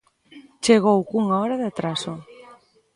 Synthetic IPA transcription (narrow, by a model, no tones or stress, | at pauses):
t͡ʃeɣ̞owkuŋaɔɾaðat̪ɾaso